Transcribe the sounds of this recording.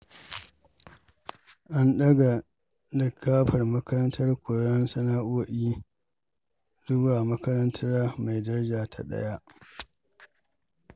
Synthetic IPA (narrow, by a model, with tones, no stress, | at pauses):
ʔa˦nɗɐ˦ɡa˨ | lɪ˨kʰːaː˦ɸɐ˨rmɐ˦kɐ˦ɾɐ˦ntʰɐ˦rkʷoː˨jɔ˦nsɐ˦naː˦ʔoː˦ʔiː˦ | zʊ˦baː˨mɐ˦kɐ˦ɾɐ˦ntʰɐ˦ɾaː˦ma˨jdɐ˦ɾɐ˦d͡ʒaː˨tʰa̰˨ɗɐ̰˦ja˦ʔ